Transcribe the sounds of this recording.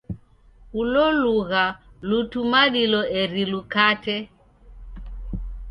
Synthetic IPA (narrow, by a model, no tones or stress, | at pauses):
ulɔluɣalutumaɗilɔɛɾilukatɛ